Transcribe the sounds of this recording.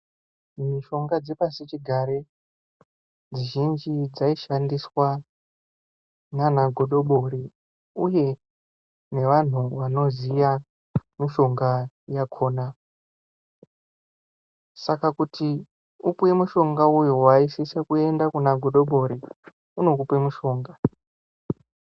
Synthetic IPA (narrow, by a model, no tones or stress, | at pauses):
miʃo̞ŋɡad͡zepasit͡ʃiɡʱaɾe | d͡ziʒind͡ʒid͡zaiʃandiswa | nanaɡʱo̞ɗo̞ɓoɾi | uje̞ | ne̞ʋan̤uʋano̞zija | miʃo̞ŋɡa | jakʰo̞ːna | sakakuti | upue̞muʃo̞ŋɡaujowaisisakue̞ndakunaɡʱo̞ɗo̞ɓo̞ɾi | uno̞kupemuʃo̞ːŋɡa